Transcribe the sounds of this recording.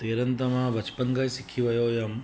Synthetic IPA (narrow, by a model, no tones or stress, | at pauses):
t̪eːɾɐnt̪ɐmaːʋɐt͡ʃpɐŋɡɐjsikʰiʋɐjoːjɐm